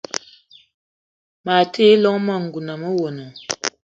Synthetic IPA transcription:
ma˨te˦lɔ˦ŋma˦˨ŋ̩˨ɡu˨na˨mə˦wo˨nɔ˨

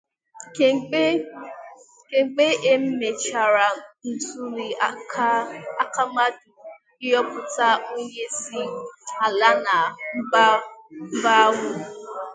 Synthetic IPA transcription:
ke˨ŋ͡m̩˨k͡pe˦ʔe˦m̩˦me˨t͡ʃa˨ɾa˨n̩˨tu˦ɾi˨a˦ | a˦ka˦ma˦du˨ | i˦ɔ˦pʊ˨ta˦o˦ɲe˦si˦a˨la˦na˨m̩˦ba˦m̩˦ba˦a˦ɦʷʊ˦

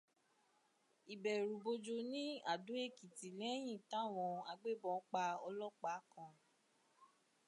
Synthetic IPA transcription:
i˨bɛ˨ɾu˨bo˧d͡ʒo˧nĩ˦a̰˦˨du˨˦e˦˨ki˨ti˨lɛ˨˦j̃ĩ˦˨ta˦˨w̃ɔ̃˧a˧ɡ͡be˦˨bɔ̃˧˦k͡pa˧ɔ˧lɔ˦k͡pa˨˦kã˧

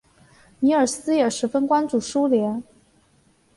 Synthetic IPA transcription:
ni˧˥ə˞˨˩sɹ̩˥jɛ˨˩ʂɻ̩˧˥fə˥nkwa˥nt͡su˨˩ʂu˥ljɛ˧˥n

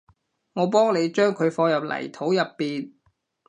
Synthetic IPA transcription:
ŋɔː˨˧p̬ɔː˥ŋle˨˧jt͡ʃœː˥ŋkʰɵ˨˧ɥfɔː˧jɐ˨p̚lɐ̰˨˩jt̪ʰo˨˥wjɐ˨pːiː˨n

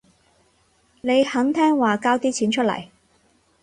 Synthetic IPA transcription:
ne˨˧jhɐ˨˥ŋt̪ʰɛː˥ŋwaː˨kaː˥wt̪iː˥t͡sʰiː˨˥nt͡ʃʰɵ˥t̚lɐ̰˨˩j

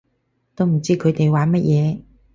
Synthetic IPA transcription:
t̪o˥wm̩˨˩t͡siː˥kʰɵ˨˧t̪e˨jwaː˨˥nmɐ˥t̚jʔɛː˨˧

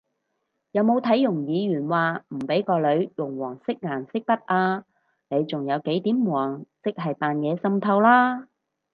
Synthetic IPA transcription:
jɐ˨˧wmo˨˧wt̪ʰɐ˨˥jːʊ˨˩ŋjiː˨˧ɥyː˨˩nwaː˨m̩˨˩pe˨˥jkɔː˧lɵ˨˧ɥjʊ˨˩ŋwɔː˨˩ŋsɪ˥k̚ŋaː˨˩nsɪ˥k̚pɐ˥t̚ʔaː˧ | ne˨˧jt͡sʊ˨ŋjɐ˨˧wke˨˥jt̪iː˨˥mwɔː˨˩ŋsɪ˥k̚ɦɐ˨jpaː˨njɛː˨˧sɐ˧mt̪ʰɐ˧wlaː˥

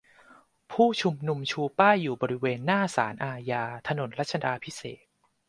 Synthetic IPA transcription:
pʰuː˥˩t͡ɕʰu˧mnu˧mt͡ɕʰuː˧paː˥˩jːuː˨˩bɔː˧ɾi˦˥weː˧nːaː˥˩sa̰ː˩˦nʔaː˧jaː˧t̪ʰa˧no˨˩˦nɾa˦˥t̪̚t͡ɕʰa˧daː˧pʰi˦˥sḛː˨˩t̪̚

